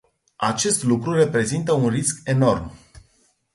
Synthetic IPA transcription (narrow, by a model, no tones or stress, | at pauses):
at͡ʃe̞st̪lukɾure̞pɾe̞zint̪əunriske̞no̞rm